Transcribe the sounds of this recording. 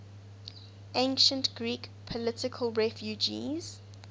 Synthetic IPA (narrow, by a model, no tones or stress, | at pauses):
ʔẽɪnʃə̃ntɡ̥ɹikpʰɔlɪtɪkʰəlˠɹɛfjud͡ʒḭz̥